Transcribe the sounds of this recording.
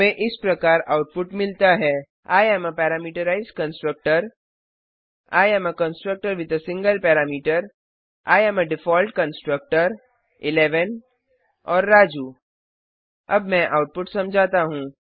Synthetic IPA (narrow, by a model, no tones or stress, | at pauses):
mɛ̃ʔɪspɾɐkaːɾaːʊʈ̚pʊʈmɪlt̪aɦɛː | aːjɛːməpɛːɾaːmiːʈəɾaːɪzkɐ̃nsʈɾək̚ʈəɾ | a̰ːjɛməkɐ̃nsʈɾək̚ʈəɾʋɪt̪ɐsɪ̃ŋɡəlpɛːɾaːmiːʈəɾ | a̰ːjɛːməɖɪfɔːlʈkɐ̃nsʈɾək̚ʈəɾ | ɪlɛːʋən | ɔːɾːaːd͡ʒuː | ɐbmɛ̃ʔaʊʈ̚pʊʈsɐ̃md͡ʒʱaːt̪aɦũː